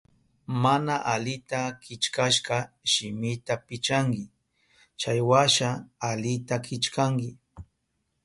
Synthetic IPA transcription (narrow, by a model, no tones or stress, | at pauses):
manaʔalɪt̪akɪt͡ʃkaʃkɑ | ʃɪmɪt̪apɪt͡ʃaŋkɪ | t͡ʃajwaʃaːlɪt̪akɪt͡ʃkaŋkɪ